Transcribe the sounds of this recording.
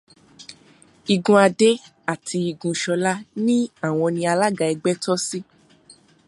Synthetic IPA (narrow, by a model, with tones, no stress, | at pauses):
i˨ɡũ˧a˧de˦ | a˦˨tʰi˧i˨ɡũ˧ʃɔ˧la˦nĩ˦a˦˨w̃ɔ̃˧nĩ˧a˧la˦ɡa˧˨ɛ˧ɡ͡bɛ˦tɔ˦si˦